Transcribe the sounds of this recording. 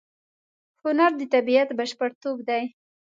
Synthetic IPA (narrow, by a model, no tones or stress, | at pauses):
hʊnaɾd̪ət̪abiat̪baʃpaɽt̪obd̪aj